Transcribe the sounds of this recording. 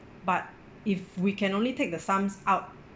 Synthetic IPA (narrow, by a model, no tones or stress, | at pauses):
bat̚ | ifwikʰɛ̃nõnlitek̚dəsãmsʔaʊt̚